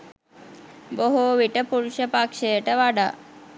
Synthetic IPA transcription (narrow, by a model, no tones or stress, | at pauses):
boɦoʋiʈəpuɾuʃəpakʂejəʈəʋaɖa̰ː